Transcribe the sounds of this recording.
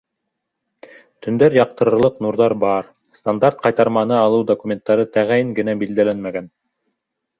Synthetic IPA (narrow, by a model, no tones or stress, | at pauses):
t̪ʰɵ̆nd̪æɾjɑq̚t̪ɤ̆ɾɤ̆ɾlˠɤqnuɾðɑɾbɑɾ | st̪and̪aɾt̪̚qɑjt̪ɑɾmɑnɤɑlˠɤwd̪okumʲe̞nt̪ːɑɾɤt̪æʁæjɘŋɡɘ̆næbild̪ælænmæɡæn